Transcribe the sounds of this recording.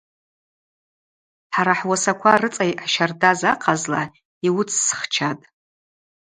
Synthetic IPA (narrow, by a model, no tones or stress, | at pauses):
ħaɾaħwasakʷʰarɨt͡sʼajʕʃardazaqʰʼazla | iwʊt͡sʰsχt͡ʃʰatʼ